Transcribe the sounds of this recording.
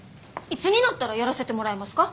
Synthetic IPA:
it͡sɨɲ̟inat̪ːaɾajaɾase̞t̪e̞mo̞ɾaemasɨ̥ka

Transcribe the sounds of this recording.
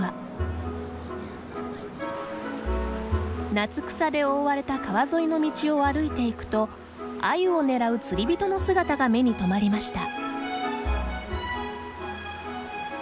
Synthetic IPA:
a | nat͡sɨ̥kɯ̥sad̪e̞o̞ːβaɾe̞t̪akaβazo̞ino̞mʲit͡ɕio̞aɾɯ̟it̪e̞ikɯ̟̥t̪o̞ | a̰io̞ne̞ɾaɯ̟t͡sɨɾʲibʲit̪o̞no̞sɨɡat̪aɡame̞ɲ̟it̪o̞maɾʲimaɕi̥t̪a̰

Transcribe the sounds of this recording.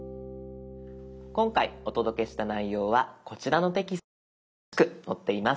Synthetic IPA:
kõ̞ŋkaio̞t̪o̞d̪o̞ke̞ɕi̥t̪anaijo̞ːβako̞t͡ɕiɾano̞t̪e̞kʲis | kɯ̟no̞t̪ːe̞imas

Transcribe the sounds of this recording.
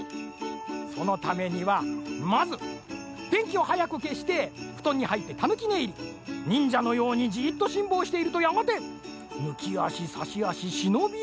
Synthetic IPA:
so̞no̞t̪ame̞ɲ̟iβamazɨd̪̥ẽ̞ŋkʲio̞hajakɯ̟ke̞ɕi̥t̪e̞ɸɯ̟̥t̪õ̞ɲ̟ːihait̪ːe̞t̪anɯ̟kʲine̞iɾʲi | ɲ̟ĩɲ̟d͡ʑano̞jo̞ːɲ̟id͡ʑiːt̪ːo̞ɕĩmbo̞ːɕi̥t̪e̞iɾɯ̟t̪o̞jamat̪e̞ | nɯ̟kʲia̰ɕisaɕiaɕiɕino̞bʲi

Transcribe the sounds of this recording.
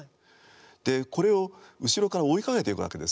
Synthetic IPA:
d̪̥e̞ko̞ɾe̞o̞ɯ̟ɕiɾo̞kaɾaoikaɡe̞t̪e̞ikɯ̟βa̰ke̞d̪e̞s

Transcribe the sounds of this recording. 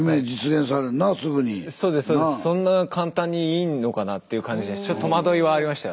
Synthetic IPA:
mẽd͡ʑit͡sɨɡẽɰ̃saɾenasɨɡɯɲiso̞ːd̪e̞sːsoːessõ̞nːakãnt̪ãɲ̟ːiiːnːo̞kanat̪ːe̞iɯ̟kãɲ̟d͡ʑid̪estt͡ɕot̪t̪ːomad̪o̞iβaːɾʲimaɕi̥t̪a

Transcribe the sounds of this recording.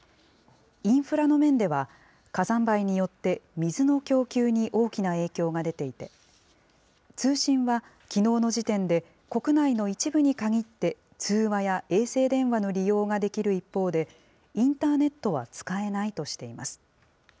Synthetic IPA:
ĩɰ̃ɸɯ̟ɾano̞mẽ̞nd̪e̞βa | kazãmbaiɲ̟ijo̞t̪ːe̞mʲizɨno̞kʲo̞ːkʲɨːɲ̟iʔo̞ːkʲinae̞ːkʲo̞ːɡad̪e̞t̪e̞it̪e̞ | t͡sɨːɕĩɰ̃βa | kʲino̞ːno̞ʑit̪ẽ̞nd̪e̞ | ko̞kɯ̟naino̞it͡ɕibɯ̟ɲ̟ikaɡʲit̪ːe̞ | t͡sɨːβajaʔe̞ːse̞ːd̪ẽ̞ɰ̃βano̞ɾʲijo̞ːɡad̪e̞kʲiɾɯ̟ipːo̞ːd̪e̞ | ĩnt̪aːne̞t̪ːo̞βa̰t͡sɨ̥kae̞nait̪o̞ɕi̥t̪e̞ima̰sɨ̥

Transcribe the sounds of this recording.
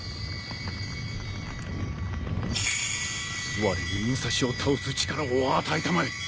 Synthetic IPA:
βaɾiiĩɰsaɕio̞t̪ʰaosɨt͡ɕi̥kaɾaoaːt̪ait̪amaɾi

